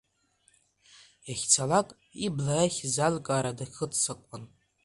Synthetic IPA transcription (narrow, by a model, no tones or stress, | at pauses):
eχʲt͡sʰalakʼ | iblajaχʲzalkʼaːɾadaχətʰt͡sakʷʼan